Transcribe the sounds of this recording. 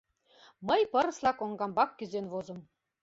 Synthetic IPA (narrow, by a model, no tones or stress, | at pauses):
mɤjpɤ̆ɾɤ̆slɑkoŋɡɑmbɑkːyzenvozɤ̆m